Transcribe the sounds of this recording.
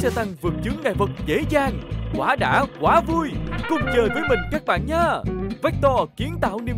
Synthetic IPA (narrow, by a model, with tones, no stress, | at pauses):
sɛ˧t̪a˧ŋvɨ˨˩ək̚t͡ɕɨ˨˦ŋːaː˨˩jvə˨˩t̚zḛ˧˥zaː˨˩ŋkwaː˧˨˦ɗa̰ː˧˥kwaː˨˦vu˧jkʊ˧˩ŋ͡mt͡ɕəː˨˩jvəː˨˦jmï˨˩ŋ̟kaː˦˥k̚ɓa̰ː˧˨nɲaː˧vɛ˦˥k̚t̪ɔ˧ki˨˦ənt̪a̰ː˧˨wne˧